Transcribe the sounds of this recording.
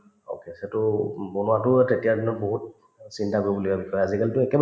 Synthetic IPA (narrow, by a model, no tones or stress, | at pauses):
o̰kesetʊbonʊwatʊtetijadinɔt̚boɦut̚ | sintakoɹibulibabikʰɔjazikalitʊɛkɛb